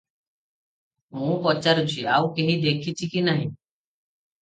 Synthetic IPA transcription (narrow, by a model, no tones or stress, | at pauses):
ɦũːpɔt͡ʃaɾt͡ʃʰiaːukeɦĩːd̪eːkʰit͡ʃʰikinaːɦĩː